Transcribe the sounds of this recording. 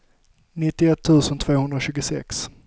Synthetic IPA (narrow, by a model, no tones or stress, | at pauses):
nɪt̪ːɪɛt̪ʰːʉ̟ːsənt̪ʰvoːhɵnd̪ɾaɕʉ̟ːɡʊsɛ̰ks